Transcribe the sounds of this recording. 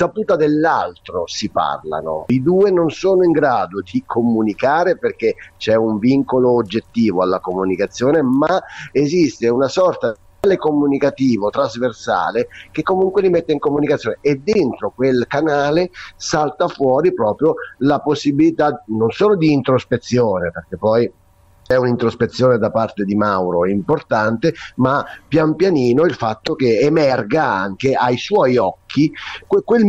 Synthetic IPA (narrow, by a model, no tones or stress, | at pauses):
sapuːt̪ad̪elːa̰lt̪ɾosipa̰rla̰no̰id̪uːenonsoːnoiŋɡɾaːd̪od̪ikʰomunikaːɾeperk̟et͡ʃɛuɱviŋkoloːd͡ʒːet̪ːiːvoalːakomunikat̪sːjoːnemaezist̪eunasɔrt̪a | alekomunikat̪iːvot̪ɾazversa̰ːlekekːomuŋkwelimet̪ːeiŋkomunikat̪sːjoːneːd̪ːent̪ɾokwelkanaːlesalt̪afwɔːɾipɾɔːpɾjolaposːibilit̪anonsoːlod̪iːnt̪ɾospet̪sːjoːneperk̟epːɔj | ɛunint̪ɾospet̪sːjoːned̪apart̪ed̪imawɾoimport̪ant̪emapjampjaniːnoilfat̪ːok̟eemɛrɡaa̰ŋk̟eajswɔjɔkʰːikekwel